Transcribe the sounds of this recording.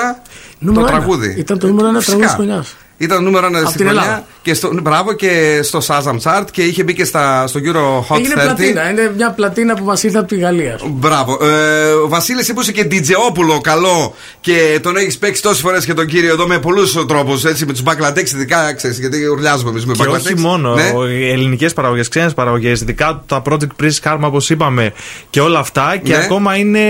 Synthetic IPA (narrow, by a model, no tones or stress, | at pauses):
ɐnuet̪ɾɐɣuðḭit̪ɐnt̪onumeɾoenɐst̪ɐɣuðkɐkoɲɐs | it̪ɐnnume̞ɾoenɐðsiieoɐcest̪obɾɐvo̞ce̞st̪o̞sɐzɐmt͡sɐɾd̪ce̞içe̞bicest̪ɐst̪oʝuɾoxoʝineelɐt̪inɐinemɲɐplɐt̪inɐpumɐsiɾθɐpot̪iɣɐliɐbɾɐvo̞ʔovɐsilesipusece̞d̪id͡zeo̞pulo̞kɐlo̞ | ce̞t̪o̞neçispe̞ksi̥t̪o̞sisfo̞ɾescet̪oɲɟiɾioeðomepo̞lust̪ɾo̞puse̞t͡simet̪uzbɐklɐd̪eksiðikɐkseɾisʝɐt̪̬iuɾʎɐzumemizmebɐeoçimo̞no̞eelinice̞spɐɾɐɣo̞ʝe̞sksenespɐɾɐɣo̞ʝe̞siðikɐt̪ut̪ɐpɾo̞d͡zekt̪̚pɾisxɐɾmɐopo̞sipɐme̞ceo̞lɐːft̪ɐceɐko̞mɐine̞